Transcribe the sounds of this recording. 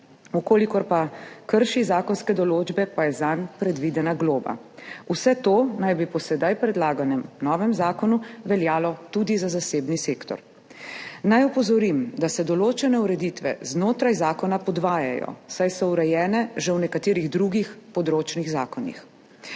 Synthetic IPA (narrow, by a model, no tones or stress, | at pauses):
ukoːlikɔɾpakəɾʃizaːkɔnskɛd̪ɔloːd͡ʒbɛpajɛzanpɾɛd̪ʋid̪ɛnaɡloːba̰ | usɛt̪oːnajbipɔsɛd̪ajpɾɛd̪laːɡanɛmnɔːʋɛmzaːkɔnuʋɛljaːlɔt̪ud̪izazaseːbniseːkt̪ɔ̰ɾ | najɔpɔzɔɾimd̪asɛd̪ɔloːt͡ʃɛnɛuɾɛd̪it̪ʋɛ̰znoːt̪ɾajzaːkɔnapɔd̪ʋaːja̰jɔ̰sajsɔuɾɛjɛːnɛʒɛwnɛkat̪eːɾiɣd̪ɾuɡixpɔd̪ɾoːt͡ʃniɣzaːkɔnḭx